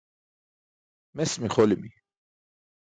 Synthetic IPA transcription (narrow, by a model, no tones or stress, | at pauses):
mɛsmiχɔlimi